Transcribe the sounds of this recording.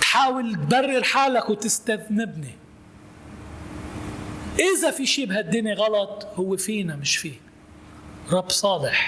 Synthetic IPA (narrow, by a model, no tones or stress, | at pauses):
t̪ħaːwɪlt̪barːɪɾħaːlakwt̪ɪst̪aðnɪbni | ʔɪzafiʃiːbhad̪ːiniɣɑlɑt̪ˤhʊwːefiːnamɪʃfiː | ɾˤɑbːsˤɑːlɪħ